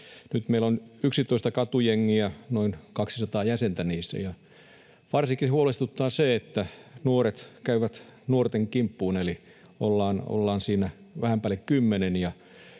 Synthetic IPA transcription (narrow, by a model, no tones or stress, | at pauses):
nyt̪meilonyksit̪oist̪ɑkɑt̪ujeŋːiænoinkɑksisɑt̪ɑːjæsent̪æniːsːæ̰jɑ | ʋɑrsikːihuolest̪ut̪ːɑːseet̪ːænuoret̪kæyʋæt̪nuort̪eŋkimpːuːneli | ʔo̰lːɑːno̰lːɑːnsiːnæʋæhæmpælːekkymːenenjɑ